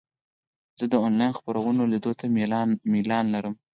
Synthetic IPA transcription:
z̥əd̪əonlɑjnxpaɾawənolid̪ot̪ʰamilɑnlaɾəm

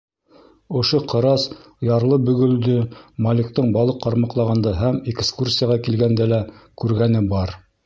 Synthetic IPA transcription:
ŏʃoqɤ̆ɾɑs | jɑɾlˠɤbɵ̆ɡɵ̆ld̪ɵmɑlʲik̚t̪ɤɴbɑlˠɤqːɑɾmɑqlˠɑʁɑnd̪ɑɦæmekskursʲɪjaʁɑkilɡænd̪ælækʉɾɡænɘbɑɾ

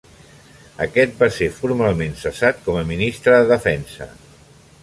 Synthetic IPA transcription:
əkɛt̪̚baseɾfuɾmalˠmensəsat̪̚kɔməminist̪ɾəðəðəfɛnsə̰

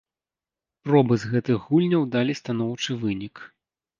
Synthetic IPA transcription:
pɾɔbɨzɣɛt̪ɨɣɣulʲnʲɐwd̪alʲist̪anɔwt͡ʂɨvɨnʲik

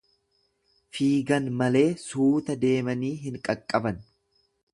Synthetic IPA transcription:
fiːɡɐnmɐle̞ːsuːt̪ɐd̪e̞ːmɐniːɦɪŋkʼɐkʼːɐbɐn

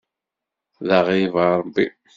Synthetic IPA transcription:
ðaʁivɑɾˤbːi

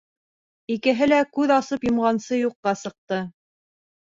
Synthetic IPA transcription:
ikɘ̆ɦɘlækʉðɑsɤpjŏmʁɑnsɤjuqːɑsɤ̆q̚t̪ɤ

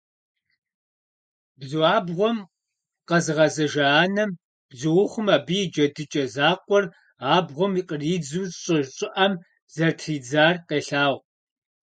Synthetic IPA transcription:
bzuaːbʁʷɔm | qɐzɨʁɐzɐʒɐaːnɐm | b̥zɨwʊχʷʊmaːbid͡ʒɐdɨt͡ʃʼɐzaːqʷʼɔr | aːbʁʷɔmiqʼəriːd͡zuːzɕʼɪʒɕʼɪʔɐm | z̥ɐrtʰriːd͡zaːrqeːɬaːʁ

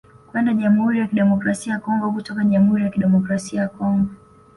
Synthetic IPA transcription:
kwɛndaʄamuhuɾijakiɗɛmɔkɾasiajakɔŋɡɔkutɔkaʄamuhuɾijakiɗɛmɔkɾasiajakɔŋɡɔ

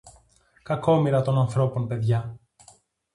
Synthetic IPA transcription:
kɐko̞miɾɐt̪o̞nɐnθɾo̞po̞npe̞ðʝɐ

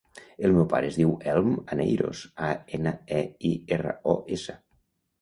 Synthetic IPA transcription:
əlˠmɛwpa̰ɾəːzðiwɛlˠmənḛjɾo̰saenəeierə̰ɔʔesə

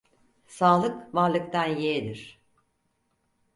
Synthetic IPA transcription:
saːlˠɯkvaɾlˠɯkt̪ʰanjed̪iɾ̥

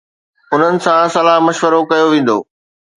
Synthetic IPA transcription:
ʊn̤ənɪ̆sãsɐlaɦmɐʃʋəɾokɐjoʋẽːn̆d̪o̰ː

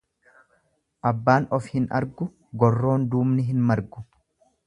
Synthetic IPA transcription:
ʔɐbːaːnɔfhɪnɐ̰ɾɡʊ | ɡɔrːo̞ːnd̪uːmnɪɦɪnmɐɾɡʊ̥

